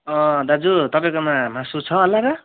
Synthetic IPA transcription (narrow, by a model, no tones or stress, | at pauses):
ʌ̃d̪ad͡zut̪ʌpaj̃komamãsut͡sʰʌɦʌlːaɾʌ